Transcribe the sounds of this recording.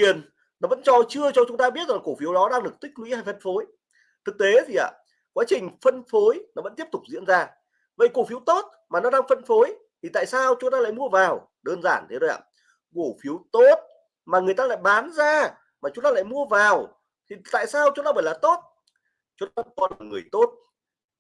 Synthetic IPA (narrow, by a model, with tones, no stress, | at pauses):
i˨˩ən | nɔ˨˦və̰˧˥nt͡ɕɔ˧t͡ɕɨ˧ət͡ɕɔ˧t͡ɕʊ˨˦ŋ͡mt̪aː˧i˦˥ət̚zaː˨˩ko˧˩fi˨˦əwɗɔ˨˦ɗaː˧ŋɗɨ˨˩ək̚t̪ï˦˥k̟̚lwḭ˧˥haː˧jfə˧nfo˨˦j | t̪ʰɨ˨˩k̚t̪e˨˦t̪ʰi˨˩ʔa̰ː˨˩ | kwaː˨˦t͡ɕï˨˩ŋ̟fə˧nfo˨˦jnɔ˨˦və̰˧˥nt̪i˦˥p̚t̪ʊ˨˩k͡p̚zḭ˧˥ənzaː˧ | və̰˧˨jko˧˩fi˨˦əwt̪o˦˥t̚ | maː˨˩nɔ˨˦ɗaː˧ŋfə˧nfo˨˦j | t̪ʰi˨˩t̪a̰ː˧˨jsaː˧wt͡ɕʊ˨˦ŋ͡mt̪aː˧la̰ː˧˨jmu˧əvaː˨˩w | ɗəː˧nzaː˧˩nt̪ʰe˨˦zo˧jʔa̰ː˧˩ | ko˧˩fi˨˦əwt̪o˦˥t̚ | maː˨˩ŋɨ˨˩əjt̪aː˧la̰ː˧˨jɓaː˨˦nzaː˧ | maː˨˩t͡ɕʊ˨˦ŋ͡mt̪aː˧la̰ː˧˨jmu˧əvaː˨˩w | t̪ʰi˨˩t̪a̰ː˧˨jsaː˧wt͡ɕʊ˧˦ŋ͡mt̪aː˧ɓəː˧˩jlaː˨˩t̪o˦˥t̚ | t͡ɕʊ˨˦t̪aː˧˥ŋ͡mt̪o˦˥t̚aː˨˩ŋɨ˨˩əjt̪o˦˥t̚